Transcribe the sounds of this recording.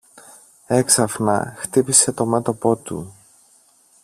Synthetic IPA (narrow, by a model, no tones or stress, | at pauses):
e̞ksɐfnɐ̰xt̪ipise̞t̪o̞me̞t̪o̞po̞t̪ṵ